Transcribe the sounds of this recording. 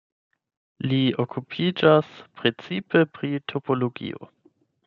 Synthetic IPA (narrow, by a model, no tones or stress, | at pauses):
liokʰupʰid͡ʒaspɾe̞t͡sipe̞pɾitʰo̞polo̞ɡḭo̞̰